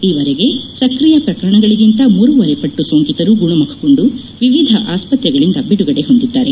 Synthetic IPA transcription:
iːʋɐɾeɡe̞sɐkɾijɐpɾɐkɐɾɐɳɐɡɐɭiɡint̪ɐmuːɾuʋɐɾepɐʈːusoːŋkit̪ɐɾuɡuɳɐmɐkʰɐ̥ko̞ɳɖu | ʋiʋid̪ʱɐʔaːspɐt̪jɐɡɐɭind̪ɐbiɽuɡɐɽe̞ɦo̞nd̪id̪ːaːɾe

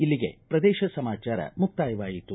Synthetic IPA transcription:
ilːiɡe̞̰pɾɐd̪ɛːʃɐsɐmaːt͡ʃaːɾɐ̰muk̚t̪aːjʋaːjit̪ːu

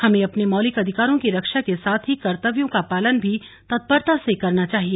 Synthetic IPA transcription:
hɐmẽɐpnemɔːlɪkɐd̪ʱɪkaːɾõkiɾɐkʃakesaːt̪ʰɦikɐɾt̪əʋjõkapaːlənbʱi | t̪ɐt̪̚bəɾt̪asekɐɾnat͡ʃaːɦieː

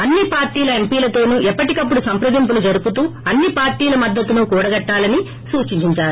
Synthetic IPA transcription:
ɐnːipaːɾʈiːlɐe̞mpiːlɐt̪o̞ːnuːʔɛpːɐʈikɐpːuɽusɐmpɾɐd̪imp̬ulud͡ʒɐɾuput̪uːɐnːipaːɾʈiːlɐmɐd̪ːɐt̪unukuːɽɐɡɐʈːaːlɐni | suːt͡ʃiɲt͡ʃiɲt͡ʃaːɾu

